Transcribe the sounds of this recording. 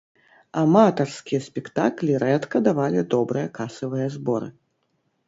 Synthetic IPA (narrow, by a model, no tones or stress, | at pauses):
amat̪ɐrskʲijɐsʲpʲɛkt̪aklʲiɾɛt̪kɐd̪avalʲid̪ɔbɾɨjɐkasɐvɨjɐzbɔɾɨ̰